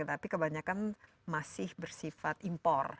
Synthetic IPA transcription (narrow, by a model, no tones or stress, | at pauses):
ət̪apikəbaɲakan | masɪhbərsifat̪impɔr